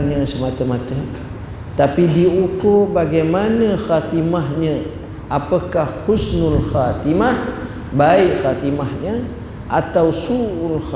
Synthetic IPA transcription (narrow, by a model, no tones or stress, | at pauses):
nɲə̃səmat̪əmat̪ə | t̪apidiukorbaɡajmanəxat̪imahɲə̃ | ʔapəkahhusnʊlxat̪imah | baiʔxat̪imahɲə | ʔat̪awsuʔulx